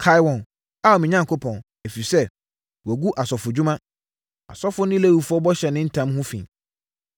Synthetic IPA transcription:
kʰa˦jwɔ̃˨n | a˦˨mĩ˨ɲã˦ŋkʰo˦pʰɔ̃˨n | e˨fi˨sɛ˦ | wæ˨ɡu˦ʔa˨sɔ˨fʊ˨d͡ʑu˦mã˦ | a̰˨sɔ˦fʊ˦nɪ̃˦le˦˨wu˨fʊ˦ɔ˦bɔ˦ɕɛ˨nɪ̃˦n̩˦tʰã˦mɦʊ̃˦fḭ̃˨n

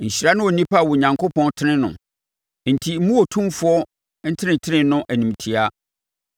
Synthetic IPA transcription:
ɲ̩˨ɕɾa˦nʊ̃˦wɔ˨nĩ˦pʰa˦˨wʊ˨ɲã˨ŋkʰo˦pʰɔ̃˦n˦tʰɪ˦ɪ̃˦nʊ̰̃˨ | n̩˨tʰi˨m̩˦mũ˦wɔ˨tʰũ˦mfʊ˨˦ɔ˦ | n̩˦tʰɪ˦nɪ̃˨ntʰɪ˦nɪ̃˦nʊ̃˦ʔæ˨nĩ˨m˨tʰi˨a˦

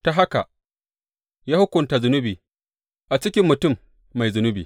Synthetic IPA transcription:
ta˨ɦa˦ka˨ | jaː˦hʊ˦kʷʊ˨nta˨zʊ˨nʊ˦biː˨ | ʔa˨t͡ʃɪ˦kʲɪ˦mːʊ˨tʊ˦˨mː | a˨jzʊ˨nʊ˦biː˨

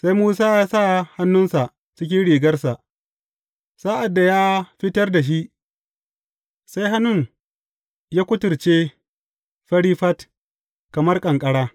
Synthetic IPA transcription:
sa˦jmuː˦saː˦jaː˦sa˦˨ha˦nːʊ˦nsa˨ʔ | t͡ʃɪ˦kʲɪ˦nɽiː˨ɡɐ˦rsa˨ʔ | sa˦ʔa˨dːa˨jaː˦ɸɪ˦tɐ˦rda˨ʃ̬i˦ʔ | sa˦jɦa˦nʊ˦˨ŋ | jaː˦kʷʊ˦tʊ˨rt͡ʃeː˦ | ɸɐ˦ɽiː˦ɸɐ˦t | kɐ˨mɐ˦rkʼɐ˨ŋkʼɐ˦ɽaː˦

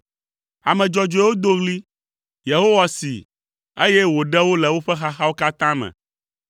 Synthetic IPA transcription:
a˨mɛ̃˨d͡ʒɔ˨d͡ʒo˨˦e˦wo˦d̪o˦ɣli˦ | je˨ɦo˦wa˦sḭ˨ | e˦jɛ˦wo˨ɖɛ˦wo˦lɛ˨wo˦ɸɛ˦xa˦xa˦wo˦ka˦t̪ã˦mɛ̰̃˨

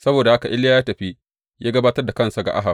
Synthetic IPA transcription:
sɐ˦boː˨da˨ha˦ka˨ʔɪ˦laː˦jaː˦tɐ˨ɸi˦ | jaː˦ɡɐ˦baː˦tɐ˦rda˨kɐ˦nsa˨ɡa̰˨ʔa̰˦ɦa˨

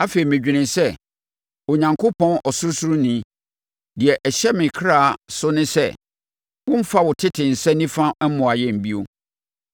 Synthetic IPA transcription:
a˦fe˨i˨mɪ̃˨d͡ʑᶣi˨nɪ̃˨nsɛ˦ | o˨ɲã˨ŋkʰo˦pʰɔ̃˦nɔ˨sʊ˦sʊ˦ɾu˦nĩ˦ | dɪ˨ɛ˨ʔɛ˨ɕɛ˦mɪ̃˨kʰɾa˦˨sʊ˦nɪ̃˦sɛ̰˦ | wʊ̃˦m̩˦fa˦wʊ˨tʰɪ˦tʰɪ˨n̩˨sɛ̃˦nĩ˦fã˦ɛ˦m˦mʊ̃˨a˨jɛ˨m̩˨bi˦o˦

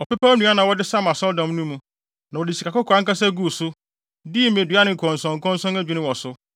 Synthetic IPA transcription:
ɔ˨pɛ˦pa˦nũ˨˦a˦nã˨wɔ˦dɪ˦sa˦mã˨sɔ˦ldã˨m˦nũ˦mũ˦ | nã˨wɔ˨dɪ˨si˨kʰa˨kʊ˦kʰɔ˨a˦ŋ̩˦ka˦sɛ˦ɡu˦˨sʊ˦ | diː˦mẽ˨dɥa˦nɪ̃˦ŋ̩˨kʰɔ̃˨n˨sɔ̃˨ŋ̩˨kʰɔ̃˦n˦sɔ̃˦næ˦d͡ʑᶣi˨nɪ̃˦wɔ˨sʊ˦

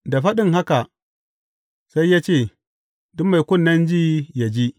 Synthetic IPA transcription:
da˨ɸa˦ɗɪ˦ŋɦa˦ka˨ | sa˦jːa˦t͡ʃeː˦˨ | dʊ˦mːa˨kʷʊ˦nːɐ˦nd͡ʒi˦ja˨d͡ʒi˦

